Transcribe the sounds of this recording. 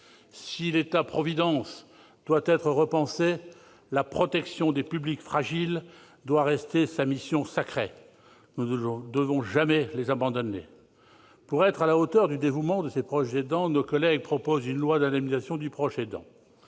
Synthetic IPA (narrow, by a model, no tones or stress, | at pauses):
silet̪apχɔvid̪ɑ̃s | d̪̥wat̪ɛt̪χəʁəpɑ̃se | lapχɔt̪ɛksjɔ̃d̪epyblikfχaʒil | d̪waʁɛst̪esamisjɔ̃sakχḛ | nũd̪əvɔ̃ʒamɛlezabɑ̃d̪ɔnḛ | puʁɛt̪χalaot̪œʁd̪yd̪evumɑ̃d̪əsepχɔʃzed̪ɑ̃nokɔlɛɡ̚pχɔpozynlwad̪anamizasjɔ̃d̪ypχɔʃed̪ɑ̰̃